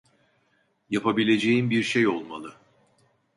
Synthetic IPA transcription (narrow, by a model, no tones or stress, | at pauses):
japʰabilʲe̞d͡ʒe̞jimbiɾʃejo̞lˠmalˠɯ